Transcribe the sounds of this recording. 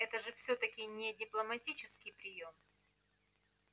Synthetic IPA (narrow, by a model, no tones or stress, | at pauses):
ɛt̪əʐɨfsʲɵt̪əkʲɪnʲɪdʲɪplˠəmɐtʲit͡ɕɪskʲɪjpɾʲɪjo̞m